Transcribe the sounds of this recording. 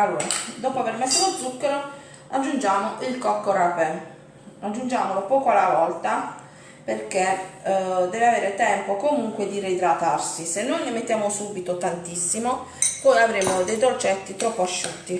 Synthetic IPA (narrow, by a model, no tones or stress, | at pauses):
alːoːɾad̪ɔːpoavermɛsːolod̪zːukːeɾo | ad͡ʒːund͡ʒaːmoʔilkɔkːorapɛ | ad͡ʒːund͡ʒaːmolopɔːkoalavɔlt̪a | perke | d̪ɛːveaveːɾet̪ɛmpokomuŋkwed̪iɾed̪ɾat̪arsisenːojnemet̪ːjaːmosubit̪ot̪ant̪isːimo | pɔjavɾeːmod̪ejd̪ot͡ʃːɛt̪ːit̪ɾɔpːoaʃːut̪ːi